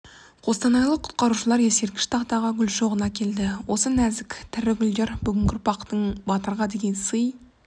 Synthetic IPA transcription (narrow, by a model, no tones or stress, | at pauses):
qʰo̞st̪ɑnɑjlˠəqʰʊ̥t̪̚qɑɾuʃəlˠɑɾjese̞ɾkʲɪ̥ʃt̪ʰɑqt̪ɑʁɑɡʲʏlʃoʁənɑkʲʰe̞ld̪ɪwo̞sənæzɪkʲt̪ʰɪɾɪɡʲʏld̪eɾbʏɡʲɪŋʲɡʲɪɾʊpɑqt̪əɴbɑt̪əɾʁɑd̪e̞ɡʲe̞nsəj